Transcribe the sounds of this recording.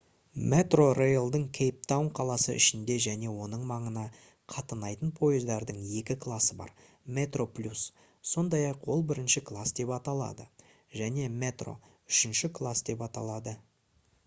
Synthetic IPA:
met̪ro̞rejlˠd̪əɴkʲʰejp̚t̪awnqʰɑlˠɑsə̰ʔɪ̰ʃɪnd̪e̞ʒæne̞wo̞nəɴmɑɴənɑ | qʰɑt̪ənɑjt̪ənpʰo̞jəzd̪ɑɾd̪əɴje̞kʲɪkʰlˠɑsəbɑ̰ɾ | me̞t̪ro̞plʲus | so̞nd̪ɑjɑqwo̞lˠbɪɾɪnʃɪkʰlˠasd̪e̞pɑt̪ɑlˠɑ̰d̪ə | ʒæne̞me̞t̪ro̞̰ | ʏʃɪnʃɪkʰlˠasd̪e̞pɑt̪ɑ̰lˠɑd̪ə

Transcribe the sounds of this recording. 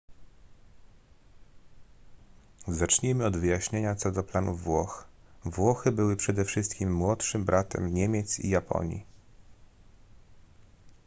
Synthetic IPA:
zat͡ʂɲimɘɔd̪vɘjaɕɲeɲat̪sɔd̪ɔplanuvwɔxvwɔxɘbɘwɘpʂɛd̪ɛfʂɘst̪kʲimːwɔtʂɘmbɾʔat̪ɛ̰mɲemʲjɛt̪sḭjapɔ̰ɲjḭ

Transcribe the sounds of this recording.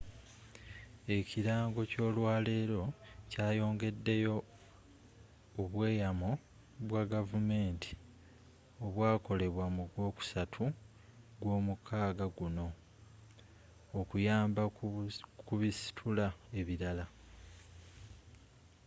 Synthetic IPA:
e̞ciɾaːŋɡo̞co̞ːlwaːle̞ːɾo̞caːjo̞ːŋɡe̞dːe̞jo̞ | βwe̞ːjamo | βwaɡavume̞ːntʰi̥ | o̞βwaːko̞le̞βwamuɡwo̞ːku̥satʰu | ɡwo̞ːmukʰaːɡaɡuno̞ | kujaːmba | kuβisi̥tʰulae̞βiɾala

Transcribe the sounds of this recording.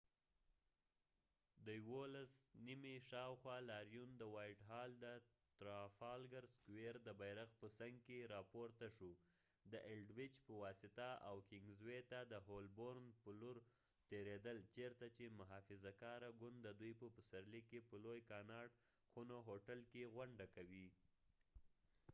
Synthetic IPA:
d̪əjwolasnimiʃɑwxwɑlɑɾjund̪əwɑjʈɦɑld̪ə | t̪ɾɑfɑlɡaɾskweɾd̪əbajɾaxpəsaŋɡkeɾɑpoɾt̪aʂu | d̪əʔɪlɖwɪt͡ʃpəwɑsɪt̪aa̰wkɪŋɡzwet̪ad̪əɦolboɾnpəluɾ | t̪eɾed̪əlt͡ʃeɾt̪at͡ʃemʊɦɑfɪzakɑɾaɡʊnd̪d̪əd̪ujpəpəsaɾlikːepəlojkɑnɑɖ | xunoɦoʈalkeɣwaɳɖakawi

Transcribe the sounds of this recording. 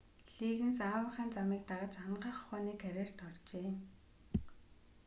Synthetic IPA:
ɬiːɣɘ̆nsaːwə̆χaːnt͡samiːk̚t̪aʁə̆t͡ɕaɴɢaːχχɔːniːkʰæɾʲeːr̥t̪ʰɔrt͡ɕeː

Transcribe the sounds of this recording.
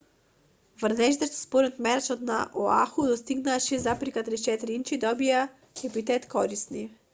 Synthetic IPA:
vrnɛʃt̪ɛʃt̪spɔɾɛnt̪mɛɾɛt͡ʃɔt̪na̰ʔɔaxud̪ɔst̪iɡnaʃizapɾikat̪ɾit͡ʃɛt̪ɾiint͡ʃid̪ɔbia | xɛpit̪ɛt̪kɔɾisni

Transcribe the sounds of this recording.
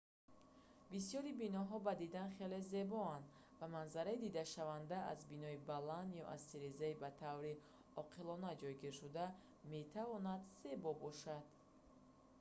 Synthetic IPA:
bisijɔɾibinɔɦɔbad̪id̪anχe̞le̞ze̞bɔand̪ | vamanzaɾaid̪id̪aʃavand̪aazbinɔibaland̪jɔʔa̰z̥siɾezaibat̪ʰavɾi | ɔqʰilɔnad͡ʒɔjɡiɾʃud̪a | me̞t̪ʰavɔnad̪se̞bɔbɔʃad̪̥

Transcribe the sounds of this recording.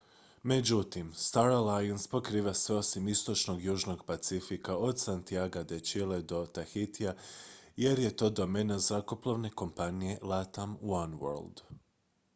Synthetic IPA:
me̞d͡ʑut̪imst̪aɾalajanspo̞kɾiːʋase̞o̞simist̪o̞t͡ʃno̞ɡjuːʒno̞ɡpat̪sifikao̞d̪sant̪iaɡad̪et͡ʃile̞d̪o̞t̪axit̪iaje̞ɾje̞t̪o̞ːd̪o̞me̞nazako̞plˠoʋne̞ko̞mpanije̞lat̪amwanwo̰ɾld̪̥

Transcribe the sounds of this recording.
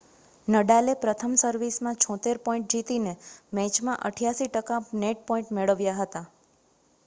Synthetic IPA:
nəɖalepɾət̪ʰəmsəɾʋismãt͡ʃʰɔ̃t̪eɾpɔ̃ĩɳʈ̚d͡ʒit̪inemɛ̃t͡ʃmãʔəʈʰjaʃiʈəkaneʈ̚pɔ̃ĩɳʈmeɭəʋjaɦət̪a

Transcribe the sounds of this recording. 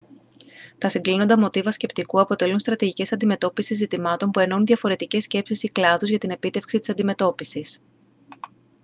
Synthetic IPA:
t̪ɐsiŋɡlino̞nd̪ɐmo̞t̪ivɐsce̞pt̪ikuɐpo̞t̪e̞lunst̪ɾɐt̪iʝice̞sɐnd̪ime̞t̪o̞pisizːit̪imɐt̪o̞mpue̞no̞unðʝɐfo̞ɾe̞t̪ice̞sce̞psisiklɐðuzʝɐt̪ine̞pit̪e̞fksit̪i̥sɐnd̪ime̞t̪o̞pisis

